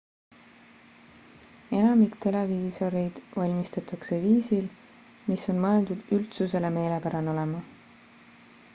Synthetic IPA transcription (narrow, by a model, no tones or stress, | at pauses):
e̞nɑmikt̪e̞le̞viso̞ɾejd̪̥vɑlʲmist̪ɑt̪ːˑɑkse̞viːsil | miso̞nmɤe̞ld̪ud̪̥ylt̪suse̞le̞me̞ːle̞pæɾɑno̞lemɑ